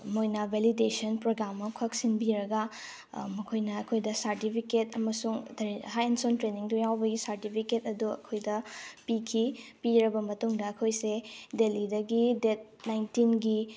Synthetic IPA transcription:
mojnɐbʱelidesɐnpɾoɡɾamːɐkʰak̚sinbiɾɐɡɐ | mɐkʰojnɐːkʰojdɐsɐɾtipʰiketɐmɐsuŋtʰɾɦajensontɾeniŋtujawbɐɡisɐɾtipʰiketɐduɐ̰kʰojdɐpikʰipiɾɐbɐmɐtuŋdɐːkʰojsedelidɐɡidet̚najntinɡi

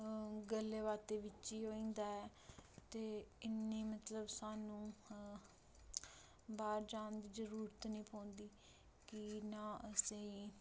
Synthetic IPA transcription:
ɡəlːeːʋaːt̪eːʋɪt͡ʃːiːɦoːĩːnd̪aːɛː | t̪eːɪnːiːmət̪ləbsaːnũː | baːɾd͡ʒaːnd̪iːzəɾuːɾət̪nĩːpʰõːnd̪iː | kɪnãːʔəsẽĩː

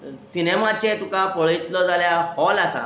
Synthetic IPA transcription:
sinemat͡ɕet̪ukakəɭit̪lɔd͡zaljahɔlasa̰

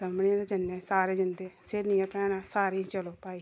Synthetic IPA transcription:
əmniãd̪ed͡ʒənːeːsaːɾeːd͡ʒɪnd̪eːsɪɾniːãpɾɛːɽaːsaːɾiːt͡ʃəloːpaːiː

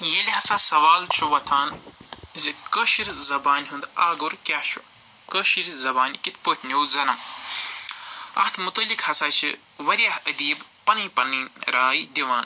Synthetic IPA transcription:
jelʲɦɐsaːsɐʋaːlt͡ʃʰuʋɐt̪ʰaːnzikəʃiɾzɐbaːnʲɦund̪aːɡuɾkʲaht͡ʃʰu | kəʃiɾzɐbaːnkit̪ʰpoːt̪ʲʰnowzɐnɐm | ɐ̰ht̪ʰmut̪ɐlikhɐsaːt͡ʃʰḭ | ʋɐɾʲjahəd̪iːbpɐniːpɐninɾaːjd̪iʋaːn

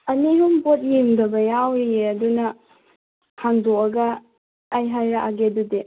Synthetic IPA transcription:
ɐnihumbot̚jimdɐbɐjawɾieɐdunɐ | haŋdoɐɡɐː | jɦajɾaʔaɡedude

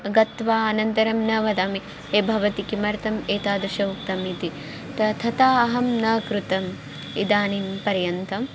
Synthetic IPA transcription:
ɡɐt̪ʋaːɐnɐnt̪ɐɾɐmnɐʋɐd̪aːmi | eːbʱɐʋɐt̪ikimɐɾt̪ɐmeːt̪aːd̪uʃɐuk̚t̪ɐmit̪i | t̪ɐt̪ʰɐt̪aːɐɦɐmnɐkɾut̪ɐm | id̪aːnimpɐɾjɐnt̪ɐm

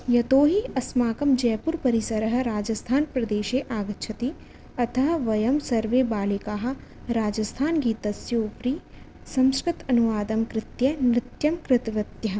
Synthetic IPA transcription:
jɐt̪oːɦiɐsmaːkɐmd͡ʒɛːpuɾpɐɾisɐɾɐɦɐ̆ɾaːd͡ʒɐst̪ʰaːnpɾɐd̪eːʃeːʔaːɡɐtːt͡ʃʰɐt̪i | ɐt̪ʰɐɦɐ̆ʋɐjɐmsɐɾʋeːbaːlikaːɦɐ̆ | ɾaːd͡ʒɐst̪ʰaːnɡiːt̪ɐsjoːpɾiː | sɐ̃mskɾɪt̪ɐnuʋaːd̪ɐmkɾɪt̪jɐnɾɪt̪jɐmkɾɪt̪ʋɐt̪jɐɦ

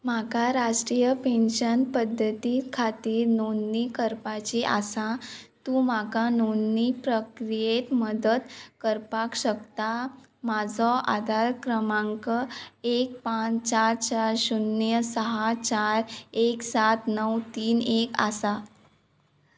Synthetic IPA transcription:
makaɾasʈɾijəpẽnɕənpəd̪ʱːət̪ikʰat̪iːɾnonːikəɾpat͡ɕiʔa̰sat̪ũːmakanonːipɾəkɾijet̪məd̪əd̪kəɾpakɕəkt̪a | mad͡zʱɔʔa̰d̪aɾkɾəmãŋkəek̚pãt͡st͡ɕaɾt͡ɕaɾɕunːjəsəɦat͡ɕaɾeksat̪nəwt̪iːneka̰sa

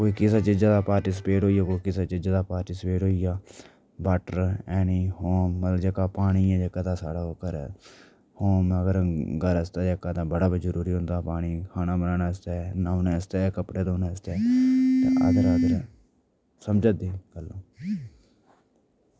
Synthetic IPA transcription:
koːiːkɪsaːt͡ʃɪd͡ʒaːd̪aːpaːɾʈiːs̬peːʈɦoːijaːkoːikɪsaːt͡ʃɪd͡ʒaːd̪aːpaːɾʈiːsəpeːʈɦoːijaː | baːʈəɾɛːniːhoːmːət̪ləbd͡ʒekaːpaːɽiːãːd͡ʒekaːt̪ãːsaːɽaːokːəɾɛ̰ː | hoːməɡəɾɡəɾəst̪aːd͡ʒeːkːaːt̪ãːbəɽaːbizəɾuːɾiːɦʊ̃nd̪aːpaːɽiːkʰaːnaːbənãːnaːəst̪aːnaːʊneːəst̪eːkəpɽeːd̪oːnẽːəst̪eːt̪ḛːʔə̰d̪əɾəd̪əɾ | səmd͡ʒaːd̪eːɡəlːõː

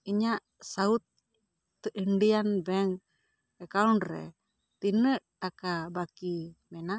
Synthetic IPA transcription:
iɲaʔ | saut̪̚ː | əʔinɖianbɛŋ | ɛkaunɾɛ̰ | t̪inəʔ | akabakimɛna

